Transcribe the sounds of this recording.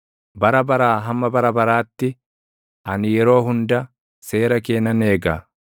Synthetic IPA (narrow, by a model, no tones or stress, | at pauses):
bɐɾɐbɐɾaːɦɐmːɐbɐɾɐbɐɾaːt̪ːɪ | ʔɐnɪjɛɾo̞ːɦʊnd̪ɐ | se̞ːɾɐke̞ːnːɐne̞ːɡa̰ː